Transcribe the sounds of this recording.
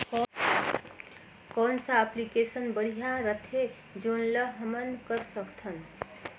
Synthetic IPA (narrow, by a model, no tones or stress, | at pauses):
k | kɔnsə̃ːplikesənbəɽ̤ijaɾət̪ʰe | d͡ʒonləɦəmənkəɾsəkt̪ʰən